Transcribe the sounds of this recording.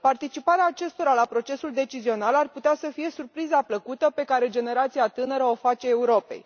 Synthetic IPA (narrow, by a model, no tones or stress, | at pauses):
part̪it͡ʃipaɾeaːt͡ʃe̞st̪o̞ɾalapɾo̞t͡ʃe̞suld̪e̞t͡ʃizio̞nalarput̪easəfije̞surpɾizapləkut̪əpe̞kaɾe̞d͡ʒe̞ne̞ɾat̪sijat̪ɨnəɾəofat͡ʃe̞ːuɾo̞pe̞̰j